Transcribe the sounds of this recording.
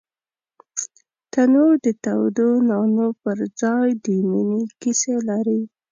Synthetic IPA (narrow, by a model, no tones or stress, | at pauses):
t̪anod̪ət̪awd̪onɑnopəɾd͡zɑjd̪iminikiselaɾi